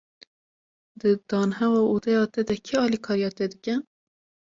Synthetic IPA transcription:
d̪ɨd̪̥ɑːnɦɛwɑːud̪ɛjɑːt̪ed̪ɛkʰiɑːliːkʰɑːɾijɑːt̪eːd̪ɨkʲɛ

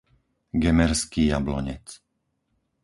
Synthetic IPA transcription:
ɡɛmɛɾskiːjablɔ̰ɲɛ̰t͡s

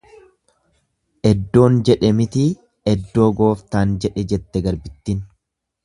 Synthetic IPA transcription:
ʔɛd̪ːo̞ːnd͡ʒɛᶑɛmɪt̪iː | ɛd̪ːo̞ːɡo̞ːft̪aːnd͡ʒɛᶑɛd͡ʒɛt̪ːɛɡɐɾbɪt̪ːin

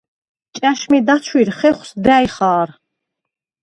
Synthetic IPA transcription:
t͡ʃʼæʃmid̪at͡ʃʰwiɾχɛχʷwsd̪æjχaːɾ

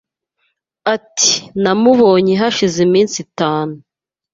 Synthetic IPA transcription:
ati̥namuβo̞ːɲeɦaʃizemiːnsitaːnu

